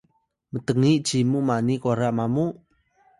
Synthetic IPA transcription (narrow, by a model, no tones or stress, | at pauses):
mət̪əŋiʔd͡ʒ̥imumanikoɾaʔmamu